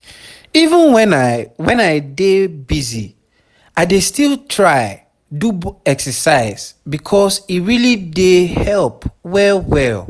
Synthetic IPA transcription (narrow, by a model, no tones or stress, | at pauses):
ivə̃nwɛ̃nwɛ̃naɪdebizi | aɪdestilˠtʰɹaɪ | duɛksəsaɪzbikʰɔsiɹilidehɛlpwɛwɛl